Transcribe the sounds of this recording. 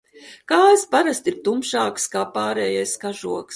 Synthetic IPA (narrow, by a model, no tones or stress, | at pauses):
kaːspaɾast̪iɾt̪umʃaːkskaːpaːɾɛːjajskaʒuɔks